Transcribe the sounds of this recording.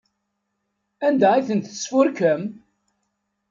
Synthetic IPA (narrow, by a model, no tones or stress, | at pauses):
ænd̪æiθənt̪əsfʊɾkəm